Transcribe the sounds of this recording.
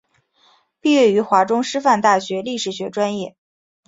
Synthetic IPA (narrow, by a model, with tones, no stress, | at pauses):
pi˥˧ɥɛ˥˩y˧˥xwa˧˥ʈ͡ʂʊ˥ŋʂɻ̩˥fa˥˧nt̪a˥˩ɕɥɛ˧˥li˥˩ʂɻ̩˨˩ɕɥɛ˧˥ʈ͡ʂwa˥njɛ˥˩